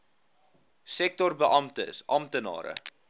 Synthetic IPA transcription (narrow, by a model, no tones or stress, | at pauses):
sɛk̚tɔrbəʔɐmtə̰sʔɐmtənɑ̰ːɾə̰